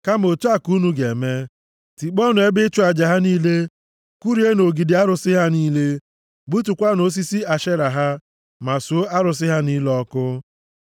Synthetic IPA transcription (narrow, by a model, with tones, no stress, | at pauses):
ka˦m˨o˨tu˦a˦ku˦nu˦ɡe˨me˦ | ti˨k͡pɔ˦nʊ˨e˦bɪ˦t͡ʃʊ˦a˨d͡ʒa˨ɦa˦niː˦le˦ | ku˦ɾi˦e˦no˨ɡi˨dɪ˨a˦ɾʊ˨sɪ˦ɦa˦niː˦le˦ | ɡ͡bu˦tu˨kʷa˦no˨s̬i˦si˦a˨ʃe˦ɾa˨ɦa˦ | ma˨su˨o˦a˦ɾʊ˨s̬ɪ˦ɦa˦ni˦lɔ˦kʊ˦